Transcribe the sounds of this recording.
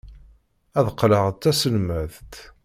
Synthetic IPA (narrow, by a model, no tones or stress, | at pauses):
æðqːləʁt̪ːæsəlməðt̪